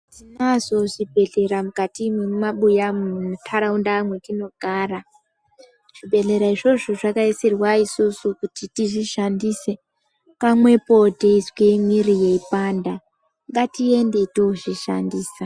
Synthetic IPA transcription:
tinazo̞ʐibʱe̞ɮe̞ɾamukatimwemaɓujamuutʰaɾaundamwe̞kino̞ɡ̥ʱaːra | ʐ̥ibʱe̞ɮe̞ɾaiʐo̞ʐoʐakaisirwaisusukutitiʐiʃandise̞ | kamwe̞poteiskemwirijeipanda | ŋɡatie̞nde̞toʐiʃa̰ndiːsa

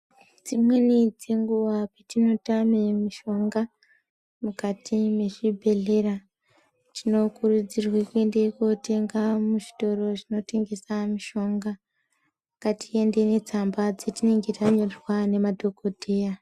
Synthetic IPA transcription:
d͡zimwe̞nid͡ze̞ŋɡuʋapetino̞tamemiʃo̞ŋɡa | mukatime̞ʐibʱe̞ɮe̞ra | tino̞kurud͡zirwekue̞nde̞kote̞ŋɡamuʐi̥to̞ɾo̞ʐino̞te̞ŋɡe̞samiʃo̞ŋɡa | katie̞nde̞ne̞t͡sambad͡zetine̞ŋɡe̞taɲorrwane̞madʱo̞ɡʱo̞dʱe̞ːja

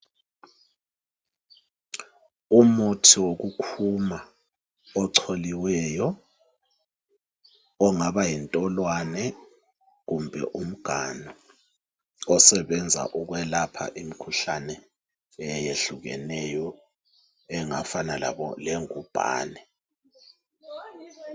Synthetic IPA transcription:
umutʰiwok̬ukʰuma | ɔǀʰoliwɛːjɔ | ɔŋaɓajintʼɔlwanɛ | ɣ̬umbʱɛ̰ʔum̩ɡ̥ʱanɔ | ɔsɛɓɛnd͡zʱa̰ʔuk̬wɛlapʰa̰ʔim̩kʰuɬanɛ | jeɬuɣɛ̰nɛjɔ | ɛŋafanala̰ɓɔ̰leŋub̥ʱa̰ːnɛ

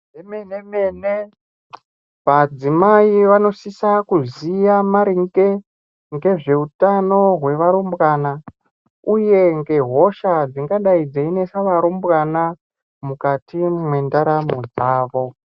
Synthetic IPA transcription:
emenemene | ʋad͡zimaiʋano̞sisakuzijamaɾiŋɡe | ŋɡe̞ʐe̞utano̞ɦwe̞ʋaɾumbɣana | uje̞ŋɡe̞ɦo̞ʃad͡ziŋɡaɗaid͡zeine̞saʋaɾumbwana | mukatimwe̞ndaɾamod͡zaːʋo̞

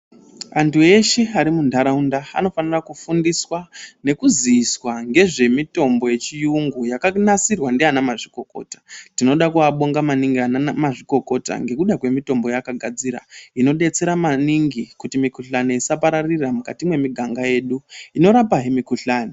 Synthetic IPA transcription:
antʰue̞ʃe̞aɾimundʱaɾaundaa̰no̞fanirakufundiswane̞kuziːswaŋɡe̞ʐe̞mito̞mbo̞je̞t͡ʃijuŋɡujakanasirwandeanamaʐiko̞ko̞̰ːtḁtino̞ɗakuaɓo̞ŋɡamaniŋɡianamaʐiko̞ko̞ta̰ŋɡe̞kuɗakwe̞mito̞mbo̞jakaɡʱad͡ziɾa̰ino̞ɗe̞t͡se̞ɾamaniŋɡikutimikuɬaniisapaɾariramukatimwe̞miɡʱaŋɡaje̞ːɗuino̞ɾapaɦimikuɬaːni

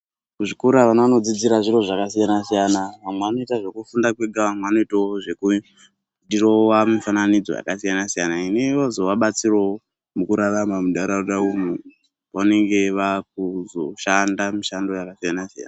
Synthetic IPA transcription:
kuʐikuɾaʋanaʋano̞d͡zid͡ziɾaʐiro̞ʐakasijanasijanaʋamweʋano̞itaʐe̞kufundakweɡʱaʋamweʋano̞itaoʐe̞ku | dirowamufananid͡zoja̰kasijanasijanaineʋozo̞ʋaɓat͡siro | mukuɾaramamuɗaɾauɗaumu | ʋane̞ŋɡe̞ʋak̚uzoʃandamuʃando̞jakasijanasija̰na

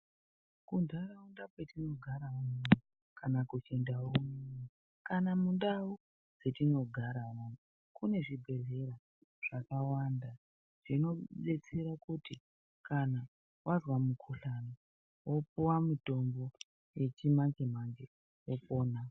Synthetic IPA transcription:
kundʱaɾaundapwetino̞ɡʱaɾaumunu | kanakut͡ʃe̞ndawoumuni | kanamundau | d͡zetino̞ɡʱaɾamunu | kune̞ʐibʱe̞ɮe̞ɾa | ʐ̥akawanda | ʐ̥ino̞ɗe̞t͡seɾakuti | kana | wazwamukʰuɬano | wopuwamito̞mbo̞ | je̞t͡ʃimaŋɡem̤aŋɡe | wopo̞ːna

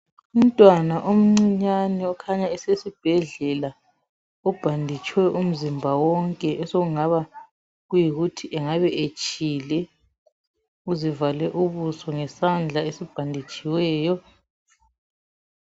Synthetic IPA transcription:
um̩tʼwanaʔom̩ŋ͡ǀiɲaniɔkʰaɲaɛsesib̥ʱɛɮɛla | ɔb̥ʱandʱit͡ʃʼwɛʔum̩zimbʱawɔŋkʼɛʔɛsoɣuŋaβa | ɣujiɣutʰiʔɛŋaβɛʔet͡ʃʼiːlɛ | uzivalɛʔuβusɔŋɛsand͡ɮʱaesib̥ʱandʱit͡ʃʼiwɛːjɔ

